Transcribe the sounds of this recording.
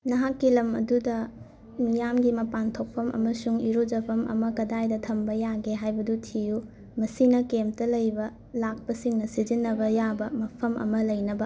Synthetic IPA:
nɐɦakːilɐmɐ̰dudɐ | mijamɡimɐpantʰok̚pʰɐmʔɐ̰mɐsuŋiɾod͡ʒɐpʰɐmɐ̰mɐkɐdajdɐtʰɐmbɐjaɡeɦajbɐdutʰiju | mɐsinɐkemtɐlɐjbɐ | lak̚pɐsiŋnɐsid͡ʒinːɐbɐjabɐmɐpʰɐmɐ̰mɐlɐjnɐbɐ

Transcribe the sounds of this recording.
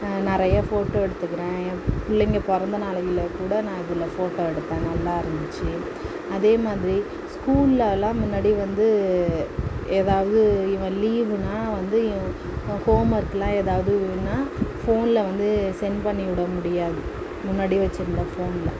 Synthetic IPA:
nɪɾɐjɐfoːʈːoːɛɽɯt̪ːɯkːɪɾẽːpʊɭːɐŋɡepɔɾɐnd̪ɐnaːɭɐjɪlɐkuːɽɐnãːɪðɯlːɐfoːʈːoːɛɽɯt̪ːẽːnɐlːaːɐɾɐnd̪ɯt͡ʃːɯ | ɐðeːmaːðɪɾi | skuːlɪlɐlãːmʊnːaːɽiʋɐnd̪ɯ | eːðaːʋɐðɯɪʋɛ̃ːliːʋɯnaːʋɐnd̪ɯ | hoːmɐɾɯkːɐlãːeːðaːʋɐðɯnːaːfoːnɪlɐʋɐnd̪ɯsɛnpɐɳːiʋɪɽɐmʊɽɪjaːðɯ | mʊnːaːɽiʋɐt͡ʃːɪɾɯnd̪ɐfoːnɪlɐ

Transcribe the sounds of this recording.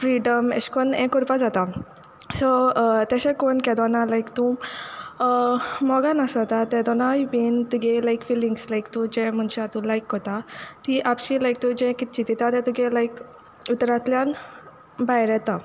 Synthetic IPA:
fɾiɖəmḛɕkɔnɛ̃kːɔɾpad͡zat̪a | sɔt̪aɕɛ̃konkɛd̪ɔnalajkt̪ũ | mɔɡãnasɔt̪at̪ɛ̃d̪ɔnajupint̪uɡɛlajkfilĩŋɡslajkt̪ũd͡ʑɛ̃m̤əɳɕɛ̃at̪ũlajkɦɔt̪at̪iʔapɕilajk̚t̪ud͡ʑɛ̃kit̪̚t͡ɕit̪it̪at̪ɛ̃t̪uɡɛ̃laik | ut̪ɾãt̪ljãn | bajɾɛt̪ã

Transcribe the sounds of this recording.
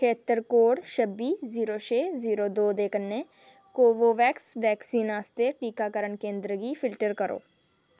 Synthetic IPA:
kʰeːt̪əɾkoːɽʃəbːiːziːɾoːt͡ʃʰeːziːɾoːd̪oːd̪eːkənːeː | koːʋoːʋɛːksʋɛːksiːnaːst̪eʈiːkaːkəɾəɳkẽːnd̪ɾəɡiːfʰɪlʈəɾkəɾo̰ː

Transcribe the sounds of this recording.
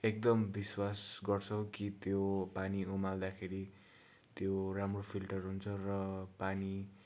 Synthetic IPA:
ek̚d̪ʌmbiswasɡʌrt͡sʰʌkit̪jopaniomald̪akʰeɾi | t̪joramropʰilʈʌrɦunt͡sʰʌrʌpani

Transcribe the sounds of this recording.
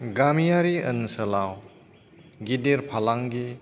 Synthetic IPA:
ɡamijaɾiənsəlaw | ɡidiɾpʰalaŋɡi

